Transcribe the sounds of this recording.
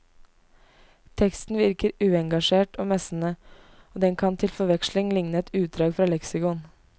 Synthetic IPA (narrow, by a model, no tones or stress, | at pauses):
t̪ʰɛkst̪n̩ʋɪɾkəɾʉːɛŋɡɑʂeːʈo̰ːmɛsn̩ə | oːd̪ɛŋkʰɑnt̪ʰɪlfɔʋɛkʃlɪŋlɪŋnəɛt̪ʉːt̪̚d̪ɾɑːɡfɾɑːlɛksɪkʊn